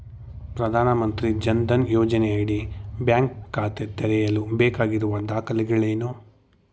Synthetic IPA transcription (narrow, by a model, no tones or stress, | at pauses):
pɾɐd̪ʱaːnɐmɐnt̪ɾid͡ʒɐnd̪ɐnjɔːd͡ʒɐnɛjaːɽibjaːŋkːaːt̪et̪ɛɾɛjɐlubɛːkaːɡiɾuʋɐd̪aːkʰɐliɡɐɭeːnu